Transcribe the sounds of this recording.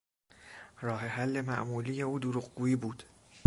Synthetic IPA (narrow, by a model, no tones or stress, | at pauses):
rɒːhe̞hælːe̞mæʔmuːliːje̞uːd̪oɾuːɢɡuːiːbuːd̪̥